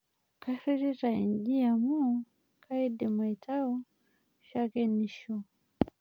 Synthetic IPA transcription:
kasiɾiɾaind͡ʒiamu | kʰaidimaitʰaɔ | ʃakɛniʃɔ

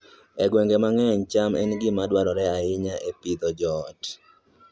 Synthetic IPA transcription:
ɛɡweŋɡemaŋɛɔɲt͡ʃamɛ̰nɡɪmadwaɾɔɾɛaɪɲaʔepid̪ɔd͡ʒɔt

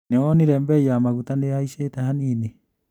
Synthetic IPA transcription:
neɔniɾɛmbɛjamaɣutaneaiʃetahanini

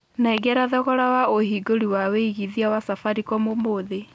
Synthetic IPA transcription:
naɛɡɛɾaðɔɣɔɾawaohiɡoɾiwaweiɣiðiawasafaɾikɔmomoðe

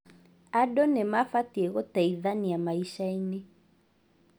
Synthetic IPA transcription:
aɗɔnemafatiɛɣɔtɛiðaniamaiʃaine

